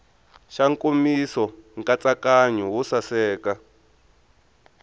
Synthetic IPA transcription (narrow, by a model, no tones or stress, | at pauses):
ʃaŋkomisɔŋkat͡sakaɲuwusasɛːka